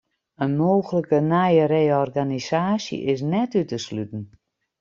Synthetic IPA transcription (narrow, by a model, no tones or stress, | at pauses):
ənmoːɣələkənajəɾejɔrɡanisaːsjə̰ʔɪs̬nɛtytəslytn̩